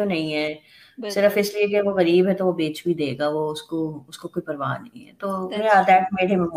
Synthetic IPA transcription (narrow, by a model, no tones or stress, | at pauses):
õnɐ̃ɦĩɦɛː | sɪɾəfɪslieɐɡəʋoɣɐɾiːbɦɛt̪oʋobeːt͡ʃbʱid̪eːɡaʋoʊskoʊskokoːipɐɾʋa̰ːnɐ̰ɦĩɦɛ̰ːt̪oːead̪ɛːʈ̚meːɽemẽm